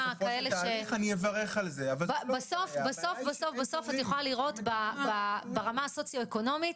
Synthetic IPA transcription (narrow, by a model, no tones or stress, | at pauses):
kaeleʃeanievaʁeχalzeavalbabaso̞fbaso̞fbaso̞fbaso̞fatjeχolaliʁo̞tbababaʁamaso̞t͡sjo̞eko̞no̞mit